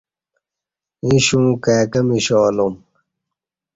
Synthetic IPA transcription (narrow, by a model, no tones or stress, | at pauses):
ĩɕũːkaːkɐmiɕoːlom